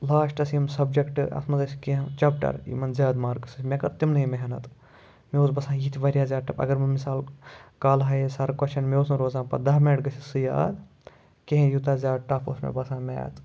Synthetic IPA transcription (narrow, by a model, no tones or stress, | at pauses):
laːʂʈɐsimsɐbd͡ʒekʈɨʔɐ̰smɐzɐsi̥keɦt͡ʃɐp̚ʈɐ̰ɾḭmɐnzʲjaːd̪maːɾkɨsɨsʲmʲekɐɾt̪imnɐimeɦɐnɐ̰t̪ | meoːsbɐsãːjit̪ʰiʋɐɾijaːzʲaːʈɐpɐ̰ɡɐɾmɐmisaːlkaːlɦɐjesaɾkwɐt͡ʃɐnmeoːsnɐɾoːzaːnpɐ̰d̪ɐɦminɐʈɡɐsʰisɨja̰ːd̪ | keɦẽjut̪aːzʲaːdʈapʰo̰ːsmḛbɐsãːmʲḛj̰t̪